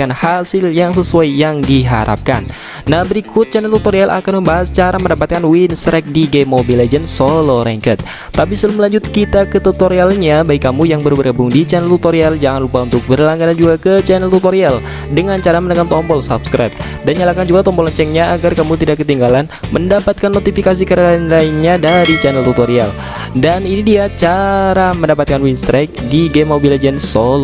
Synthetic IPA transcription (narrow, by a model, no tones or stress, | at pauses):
kanhasɪljaŋs̬əsuajːaŋdiɦa̰ɾʔa̰p̚ka̰nː | ahbəɾikʊt̪̚t͡ʃɛnɛlt̪ut̪oɾialʔa̰kanməmbaɦast͡ʃaɾaməndapat̪̚kanwinsɾɛk̚diɡɛmobiled͡ʒənsolɔɾɛŋkət̪̚ː | ap̬isələməlaɲd͡ʒʊt̪̚kit̪akət̪ut̪oɾialɲabaikːamujaŋbəɾubəɾɡəbʊŋdit͡ʃɛnɛlt̪ut̪oɾiald͡ʒaŋanlupaunt̪ʊk̚bərlaŋɡaɾand͡ʒuɡakət͡ʃɛnɛlt̪ut̪oɾial | dəŋant͡ʃaɾamənəkamt̪ɔmpɔlsapskɾajp̚ | danɲalakand͡ʒuɡat̪ɔmpɔlɔnt͡ʃɛŋɲaːɡarkamut̪idakːət̪iŋɡalanməndapat̪̚kanːot̪ifikas̬ikəɾalanlainɲadaɾit͡ʃanɛlt̪ut̪oɾia̰l | daninidiat͡ʃaɾaməndapat̪̚kanwinst̪ɾak̚diɡɛmobiled͡ʒənsolɔ